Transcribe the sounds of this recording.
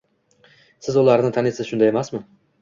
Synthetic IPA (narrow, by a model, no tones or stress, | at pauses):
sɪzʊlaɾnɪt̪ʰanɪsɪzʃʊnd̪aje̞masmɪ